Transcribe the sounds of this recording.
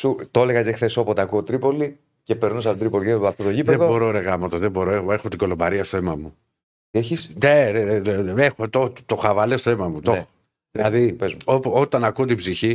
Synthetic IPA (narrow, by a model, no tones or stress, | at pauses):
sut̪oleɣɐtexθesopot̪akuot̪ɾipo̞li | ce̞peɾnosɐptod̪ɾipolieɐft̪ot̪oʝipðeeðobbo̞ɾoɾe̞ɣɐmɐt̪ozðebo̞ɾoeoexot̪iɡo̞lo̞bɐɾiɐst̪oemɐmu | t̪ieçisneneeeexot̪ot̪oxɐvɐlest̪oemɐmut̪oxo | ðilɐðipezmopot̪ɐnɐkuot̪ibziçi